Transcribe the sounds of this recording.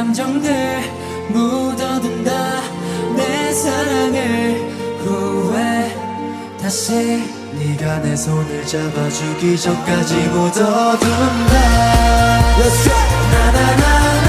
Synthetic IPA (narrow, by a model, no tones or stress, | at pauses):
amd͡ʑʌŋnɯɭ | modʌdɯnda | nesʰaɾaŋɯɭ | kowe | taɕʰi | iɡanesʰonɯɭt͡ɕamad͡ʑuɡid͡ʑʌt̚k͈ad͡ʑiɡodʌdunde | jʌsenanana